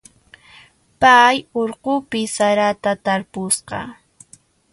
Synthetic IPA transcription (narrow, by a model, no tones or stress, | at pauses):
pajoɾqʊpɪsaɾat̪at̪aɾpʊsqɑ̰